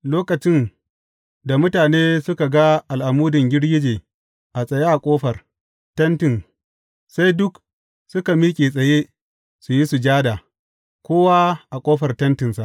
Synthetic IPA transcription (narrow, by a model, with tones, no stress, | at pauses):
loː˦kɐ˨t͡ʃɪ˦n | da˨mʊ˦taː˨neː˦sʊ˦ka˨ɡa˦ʔa˨lʔa˨muː˦dɪ˨ŋɡʲɪ˦ɽɡʲɪ˦d͡ʒeː˨ | ʔa˨sʼɐ˨je˦ʔa˨kʷʼoː˦ɸɐ˨r | tɐ˦ntɪ˨n | sa˦jdʊ˦k | sʊ˦ka˨miː˦kʲʼeː˨sʼɐ˨jeː˦ | su˨ji˦su˨d͡ʒaː˦da˨ | kʷoː˦wa˦ʔa˨kʷʼoː˦ɸɐ˨rtɐ˦ntɪ˨nsa˨ʔ